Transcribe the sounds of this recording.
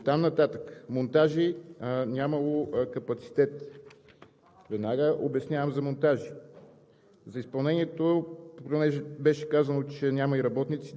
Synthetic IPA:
t̪amnɐt̪at̪əkə̥mont̪aʒinʲamɐlˠokɐpɐt̪si̥t̪ɛt̪ | vɛd̪naɡəʔobɛsnʲjavəmzɐmont̪aʒi | zɐispɐlˠnɛniɛt̪opokɾɛnɛʒɛbɛʃɛ̥kazɐnot͡ʃɛnʲamɐiɾɐbɔt̪nit̪si

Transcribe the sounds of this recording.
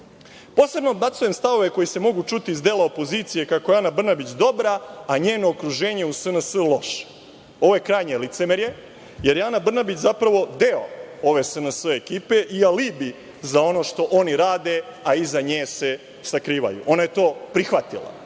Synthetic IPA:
po̞ːse̞bnoːd̪̚bat̪sujemst̪aʋo̞ʋe̞ko̞jise̞mo̞ɡut͡ʃut̪iizd̪eːlˠaopo̞ziːt̪sije̞kakoeanabr̩nabit͡ɕd̪o̞bɾaːaɲeːno̞ːkɾuʒe̞ːɲeusənəsəlˠo̞ʃe̥ | o̞ʋo̞je̞kɾaːjɲelit̪semeɾje̞ | je̞ɾjanabr̩nabit͡ɕzapɾaʋo̞d̪eo̞̰o̞ʋe̞sənəsəekiːpe̞ʔialibi | zao̞no̞ʃt̪o̞ʔo̞niɾaːd̪e̞aizaɲeːse̞ | sakɾiːʋa̰jṵʔo̞naje̞t̪o̞ːpɾixʋat̪ḭlˠa̰

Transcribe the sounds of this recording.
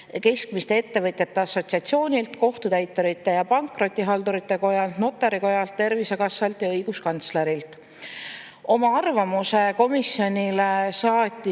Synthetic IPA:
ke̞skmist̪ee̞t̪ːe̞vɤt̪ʲjɑt̪ːe̞ɑso̞t̪siɑt̪sio̞ːnʲilt̪ko̞ht̪ut̪æjt̪ːˑo̞ɾit̪ːˑe̞jɑpɑŋkˑro̞t̪ʲːˑiɦɑld̪uɾit̪ːe̞ko̞jɑlt̪no̞t̪ːˑeɾiko̞jɑlt̪ːe̞rvise̞kɑsːɑlt̪jɑɤjɡ̥uskɑnt̪sleɾilt̪ˑ | o̞mɑɑrvɑmuse̞ko̞misjo̞nʲilesɑːt̪ʲːˑi

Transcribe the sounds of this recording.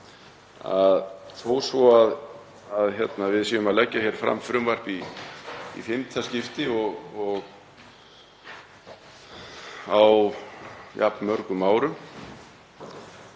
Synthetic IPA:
a̰ðθoːwsvɔað | aðçɛt̪navɪðsiːɣʏmaðlɛcːaçɛɾ̥fɾa̰mfɾʏmvar̥pi | ḭfɪmt̪ʰascɪft̪ɪɔɣɔɣ | aw | ja̰pnmœɾkʏmaːwɾʏm

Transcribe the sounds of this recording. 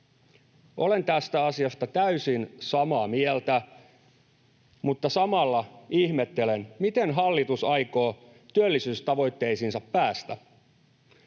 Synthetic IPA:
o̞le̞nt̪æst̪æɑsiɑst̪ɑt̪æysinsɑmɑːmielt̪æ | mut̪ːɑsɑmɑlːɑihmet̪ːe̞lenmit̪enɦɑlːit̪usɑjkoː | t̪yølːisyːst̪ɑʋo̞jt̪ːe̞isinsɑpːæːst̪æ

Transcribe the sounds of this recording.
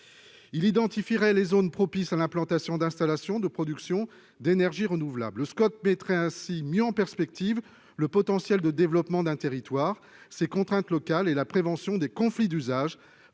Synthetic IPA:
ilid̪ɑ̃t̪ifiʁɛlezonpχɔpisalɛ̃plɑ̃t̪asjɔ̃d̪ɛ̃st̪alasjɔ̃d̪əpχɔd̪yksjɔ̃ | d̪enɛʁʒiʁənuvla̰blːəskɔt̪̚mɛt̪χɛɛ̃simjøɑ̃pɛʁspɛk̚t̪iv | ləpɔt̪ɑ̃sjɛld̪əd̪evlɔpmɑ̃d̪ɛ̃t̪eʁit̪waːʁ | sekɔ̃t̪χɛ̃t̪lɔkalelapχevɑ̃sjɔ̃d̪ekɔ̃flid̪yzaʒ

